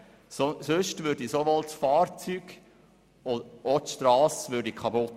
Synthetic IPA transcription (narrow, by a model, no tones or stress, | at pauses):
osøʃtʋøːɾdisoʋɔltfɑːɾt͡syːɡ̥ | oot̪ʃtɾɑːsʋøɾdikʰɑbʊt